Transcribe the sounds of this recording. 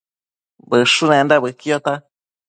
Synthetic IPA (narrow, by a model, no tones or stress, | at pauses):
bɨʂunẽnd̪aβɨkiot̪a